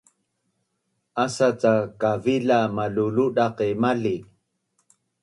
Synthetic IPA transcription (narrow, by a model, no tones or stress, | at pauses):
ʔasat͡sakavilamaluluɗaqimali